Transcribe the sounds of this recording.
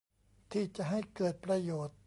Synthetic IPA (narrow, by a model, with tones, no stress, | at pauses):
t̪ʰiː˥˩t͡ɕa˨ɦa˥˩jkɤː˨˩t̪̚pɾa˧joː˨˩t̪̚